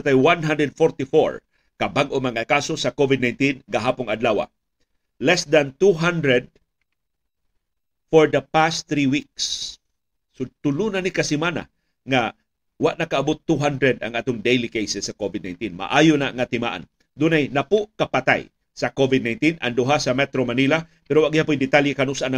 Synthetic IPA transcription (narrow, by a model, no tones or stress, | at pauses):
at̪ajwanɦand̪ɾɛd̪̚foɾt̪ifoɹ | kɐbaɡʔomɐŋakasosɐkovɪd̪najnt̪inɡaɦaːpʊŋɐd̪lawa̰ | lɛsd̪ant̪uɦand̪ɾɛd̪̚ | foɹd̪ɐpasɾiwik̚sː | ot̪ʊlunanikasɪmana̰ | ŋa | waʔnɐkaʔːbot̪ːuɦand̪ɾɛd̪ɐ̰ŋʔaːt̪ʊŋd̪ejlikejsɛsːɐkovɪd̪najnt̪inma̰ʔajonaŋɐt̪ɪma̰ʔa̰n | d̪unajnapʊʔkapat̪a̰j | sɐkovɪd̪̚najnt̪inɐ̰ŋd̪ʊɦasɐmɛt̪ɾomanila | pɛɾowaʔɡɪhapʊjd̪ɪt̪aljɪkanusʔana